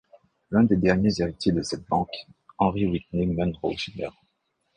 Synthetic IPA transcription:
lɛ̃d̪ed̪ɛʁnjezeʁit̪jed̪əsɛt̪̚bɑ̃kɑ̃ʁiwit̪nimanʁo̰snɛ̰ʁ

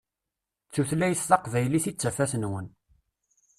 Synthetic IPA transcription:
t͡sːuθlæjəsːɑqvæjliθit͡sːæfæsənwən

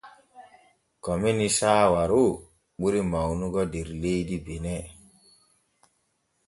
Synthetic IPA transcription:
kɔminisaːwaɾu | ɓuɾimawnuɡɔdeɾlejdibenɛ

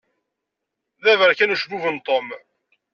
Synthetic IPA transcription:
ðævəɾkænuʃbuvənt̪ˤom

